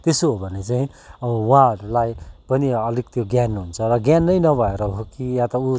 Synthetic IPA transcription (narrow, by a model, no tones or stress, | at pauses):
t̪esoɦobʱʌnet͡saĩ | ʌwãʌɾulajpʌniʌlik̚t̪joɡjanɦunt͡sʰʌɾʌɡjanːʌjnʌbʱʌeɾʌɦokijãt̪ʌu